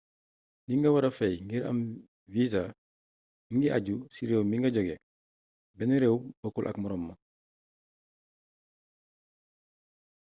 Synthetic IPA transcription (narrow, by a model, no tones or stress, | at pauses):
niŋɡɐwɐɾɐfɛjŋɡiɾɐ̰m | viza | ŋɡiʔaɟusiɾewmiŋɡɐɟɔɡe | bɛniɾɛwbokulʔɐ̰kmɔɾɔmːɐ